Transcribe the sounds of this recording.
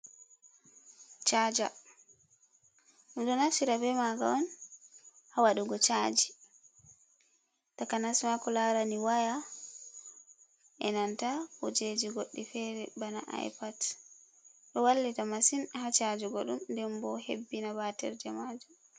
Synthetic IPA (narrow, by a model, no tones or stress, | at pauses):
t͡ʃad͡ʒa̰ | ɗumɗɔnaʃiɾabɛmaɡa̰ɔn | hawaɗuɡɔt͡ʃad͡ʒi | takanasmakɔlaɾaniwaja | ʔɛnantakɔd͡ʒed͡ʒiɡoɗːifɛɾɛ̰bana̰ʔa̰jpad | ɗɔwalːitamasinhat͡ʃad͡ʒiɡɔɗumndɛmbɔhebːinabatɛ̰ɾd͡ʒɛmad͡ʒum